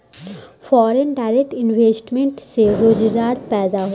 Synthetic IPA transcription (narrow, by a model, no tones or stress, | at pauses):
fɔːɾenɖaːɾek̚ʈɪnʋeːsʈmẽɳʈseɾoːd͡ʒɾaːɾpɛːd̪aɦo